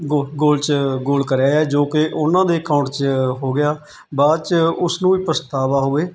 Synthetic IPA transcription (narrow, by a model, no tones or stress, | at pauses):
ɡoɡoːlt͡ʃɡoːlkəɾjaːɛːd͡ʒoːkɪʔʊnãːd̪eːkaːʊ̃ɳʈt͡ʃɦoːɡɪjaː | baːd̪t͡ʃʊsnũːiːpɾəst̪aːʋaːɦʊeː